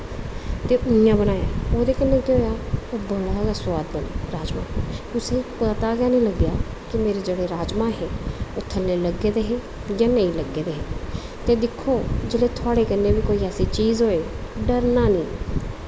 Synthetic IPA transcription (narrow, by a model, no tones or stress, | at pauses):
t̪eːʊjãːbənaːja̰ːoːd̪eːkənːẽːkeoːjaːoːbəɽaːəswaːd̪̚bəneːɾaːd͡ʒmã̰ːt̪ʊsẽːpət̪aːɡjaːnĩːləɡjaː | kɪmeːɾeːd͡ʒeːɽeːɾaːd͡ʒmãːɦeːot̪ʰːəlleːləɡeːd̪eːɦeː | jãːnəĩːləɡeːd̪eːɦeː | t̪eːd̪ɪkʰːoːd͡ʒeːleːt̪ʰʊaːɽeːkənːeːʋiːkoːiːɛːsiːt͡ʃiːzɦoːeː | ɖəɾnaːniː